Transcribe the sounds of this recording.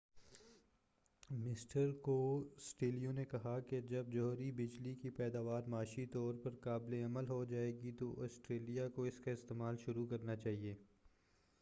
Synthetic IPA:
mɪsʈəɾkosʈeːlijõnekɐɦaked͡ʒɐb̚d͡ʒɔɦɾibɪd͡ʒlikipɛːd̪aːʋaːɾmaːʃit̪ɔːɾpɐɾkaːbleɐməlɦod͡ʒaːeːɡit̪oʔɔːsʈɾeːlijakoɪskaɪst̪eːmaːlʃʊɾukɐɾnat͡ʃaːɦieː

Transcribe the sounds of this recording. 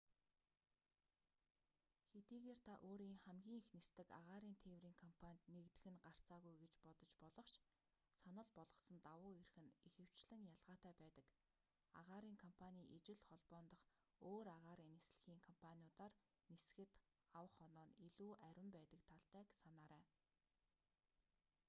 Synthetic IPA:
xet̪iːɣeːr̥t̪ʰaʔoːɾiːŋχæmɡʲiːŋixnest̪ɘ̆ka̰ʁaːɾiːnt̪ʰeːwriːŋkʰɔmpʰanʲt̪nekt̪ɘ̆xɘ̆nɢar̥t͡saːɣujɡet͡ɕpɔt̪ɞ̆t͡ɕpɔɮɞ̆χt͡ɕ | sanə̆ɮpɔɮʁɞ̆sɞ̆nt̪awʊːerxɘ̆nexɘ̆w̥t͡ɕɮɘ̆ŋjaɮʁaːt̪æːpæːt̪ə̆k | a̰ʁaːɾiːŋkʰɔmpʰanʲiːʔet͡ɕɪ̆ɮχɔɮpɔːnt̪ɞ̆χ | oːɾaʁaːɾiːnːes̆ɮ̆xiːŋkʰɔm̥pʰaniʊt̪aːr | nesxɘ̆t̪ | awə̆χɔnɔːniɮuːʔæɾʲwɪ̆mpæːt̪ə̆kt̪ʰaɮt̪æːksanaːɾæː

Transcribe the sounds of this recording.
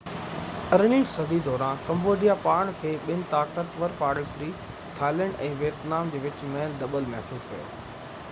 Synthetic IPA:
ɐɾniːʈsɐbid̪ɔːɾãːkɐ̃mboːɖijapaːɽ̃kʰeːɓɪnɪ̆t̪aːkət̪ʋɐɾpaːɽəlsɾiː | t̪ʰaːləɽɖɛ̃ːʋeːt̪naːmd͡ʑeːʋɪt͡ɕmɛːnd̪ɐbəlmɐɦsuːskʰɐjo̰ː

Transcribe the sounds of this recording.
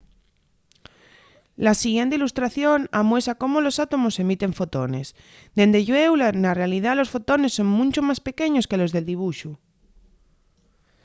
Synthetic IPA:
lasiɣje̞nt̪eilust̪ɾaθjo̞namwesako̞molo̞sat̪o̞mo̞se̞mit̪e̞ɱfo̞t̪o̞ne̞s | d̪e̞nd̪eʝwewlanarealið̞alo̞sfo̞t̪o̞ne̞sːo̞ŋmũnt͡ʃomaspe̞ke̞ɲo̞ske̞lo̞zðe̞ld̪iβ̞uʃu

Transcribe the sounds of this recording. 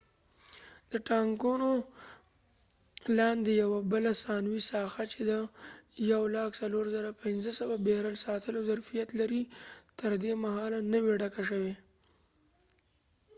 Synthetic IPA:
d̪̥əʈɑŋkuno | lɑnd̪ejawabəlasɑnwisɑxat͡ʃed̪ajawlɑksaloɾzəɾapɪnzəsəwabehɾalsɑt̪ʰəlozaɾfijat̪laɾit̪əɾd̪emaɦɑlanəweɖakaʃ̬əwe

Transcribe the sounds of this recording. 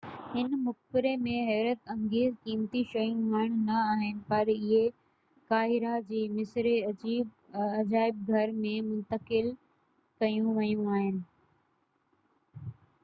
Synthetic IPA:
hɪnmʊxpɪɾemẽɦɛːɾət̪ɐ̃ŋɡeːzkiːmt̪iʃɐjũmaɳ̃nɐaːɦɪnɪ̆pɐɾɪɦe | kaːɦɪɾad͡ʑiːmɪsɾe | ɐd͡ʑaːɪb̚ɡʱɐɾmẽmʊ̃nt̪əkɪl | kɐjũʋɐjũaːɦɪnɪ̆

